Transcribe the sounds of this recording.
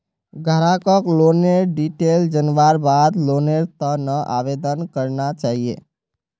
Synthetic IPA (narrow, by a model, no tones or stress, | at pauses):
ɡʱəɾãkəkloːneɾɖiʈeld͡ʒənʋaɾbaːd̪loːneɾt̪ənəʔa̰ʋed̪ənkəɾnat͡ʃaːɦiḛ